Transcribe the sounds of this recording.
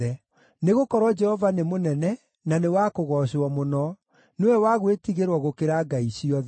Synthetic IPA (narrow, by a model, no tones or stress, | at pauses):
ɛ | neɣokɔɾwɔd͡ʒɛhɔvanemonɛnɛ | nanewakoɣɔɕɔmonɔ | newɛwaɣwetiɣeɾwɔɣokeɾaɡaiɕiɔð